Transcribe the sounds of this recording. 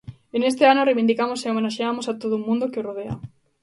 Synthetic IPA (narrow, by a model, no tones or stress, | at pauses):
enes̬t̪eanorejβind̪ikamoseomenaʃeamosat̪oðʊumũnd̪okeoroð̞ea̰